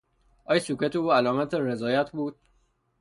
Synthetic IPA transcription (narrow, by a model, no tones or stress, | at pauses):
ʔɒːjsuket̪euːælɒːmæt̪ʰeɾe̞zɒːjæt̪ʰbuːd̪̥̚